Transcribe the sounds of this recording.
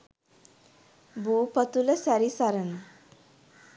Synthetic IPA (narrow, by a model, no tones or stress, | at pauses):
bupət̪uləsaɾisaɾən